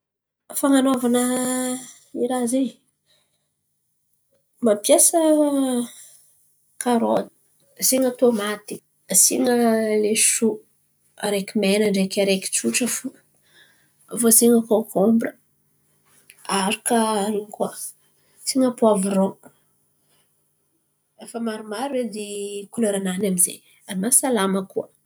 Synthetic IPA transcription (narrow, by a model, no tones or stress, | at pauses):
faŋanovanə | iɾaze | mapjasə | kaɾod̪i̥ | siŋət̪omat̪i̥ | siŋəleʃu | a̰ɾekimenaɳɖ͡ʐekʲaɾeki̥t͡suʈ͡ʂəfu | vosiŋəkokʰombrə | aɾikaɾiɲkua | siŋəpwavuro | efəmaɾumaɾiwed̪ekuleɾananamizḛ | anasalaməkuə